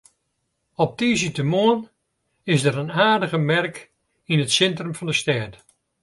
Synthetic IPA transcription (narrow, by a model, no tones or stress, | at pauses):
ɔp̚tizitəmoən | ɪsdəɾənaːrdəɣəmɛrk | inətsɛntrəmfɔndəstɛːt